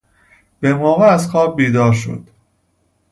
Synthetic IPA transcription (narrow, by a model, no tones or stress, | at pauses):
b̥emɒːveæzxɒːb̚biːd̪ɒːɾʃo̞̰d̪̥